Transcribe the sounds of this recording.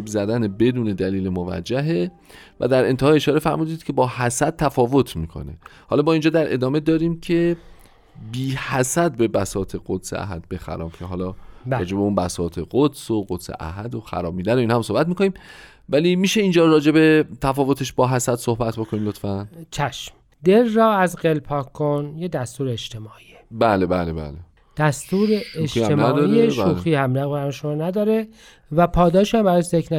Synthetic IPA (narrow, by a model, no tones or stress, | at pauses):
bzæd̪ænebe̞d̪uːne̞d̪æliːlemovæ̰d͡ʒːæɦe̞ | væ̰d̪æɾe̞nt̪ehɒːjeeʃɒːɾefæɾmuːd̪iːd̪cʰe̞bɒːhæsæd̪̚t̪ʰːæfɒːvo̞t̪ʰmiːkʰo̞̰ne̞̰hɒ̰ːlɒːbɒːind͡ʒɒːd̪æɾʔe̞̰d̪ɒːme̞d̪ɒːɾiːmcʰe̞ | biːhæsæd̪̚be̞bæsɒːt̪ʰeɡ̥od̪̥sḛæ̰ɦæ̰d̪̚be̞xæ̰ɾɒ̰ːmcʰeɦɒːlɒːɾɒ̰ːd͡ʒe̞beunbæsɒːt̪ʰeɡod̪soɡod̪̥sḛʔæ̰ɦæd̪oxæ̰ɾɒːbmiːd̪ænoinhæmso̞hbæt̪̚miːkʰo̞niːm | væliːmiːʃeind͡ʒɒːɾɒːd͡ʒe̞be̞t̪ʰæfɒːvot̪ʰe̞ʃbɒːɦæsæd̪sohbæt̪̚ʰbo̞kʰonimlot̪fænt͡ʃʰæʃm | d̪eɾːɒːæzɢelpʰɒːkʰːonjed̪æst̪uːɾeːd͡ʒt̪ʰe̞mɒːʔijebæːlebæːlebæ̰ːle | d̪̥æst̪uːɾeeʃemæd̪ieʃuxiːhæmɾæɣbæɾʃomɔːnæd̪ɒːɾe | væpʰɒːd̪ɒːʃhæmbæɾɒːjezekʰnæ